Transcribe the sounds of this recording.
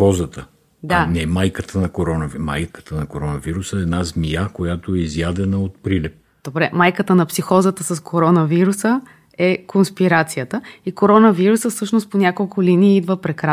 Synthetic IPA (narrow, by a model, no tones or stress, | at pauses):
ɔzət̪ə | d̪anɛmajkət̪ʰənɐkoɾɔnɐvma̰jkə̥t̪ənɐkoɾɔnɐviɾusəɛd̪nazmijakojat̪oɛizjad̪ɛnəot̪̚pɾilɛp̚ | d̪̥obɾɛmajkət̪ənɐpsixɔzət̪əsɐskʰoɾɔnəviɾusə | ɛkonspiɾat̪sijət̪əikoɾɔnəviɾusəfsɤʃnost̪̚ponʲakolˠkʊliniːid̪vəpɾɛkɾa